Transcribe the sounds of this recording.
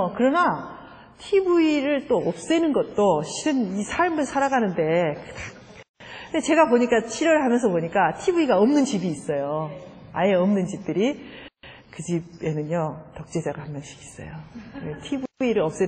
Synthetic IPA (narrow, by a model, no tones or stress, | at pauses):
kɯɾʌna | tʰibuiɾɯɭt͈oʌp̚s͈enɯnɡʌt̚t͈oɕiɯnisʰaɭmɯɭsʰaɾaɡanɯnde̞kɯtḁ | ndet͡ɕe̞ɡapoɲik͈at͡ɕʰiɾjʌɾɯɭhamjʌnsʰʌpoɲik͈atʰibuiɡaʌmnɯnt͡ɕibiːs͈ʌjo | aje̞ʌmnɯnt͡ɕip̚t͈ɯɾi | kɯd͡ʑibe̞nɯnjʌtʌk̚t͡ɕ͈ed͡ʑaɡahamːjʌnɕʰi̥kʰi̥s͈ʌ̰joetʰibiɾɯɭʌp̚s͈e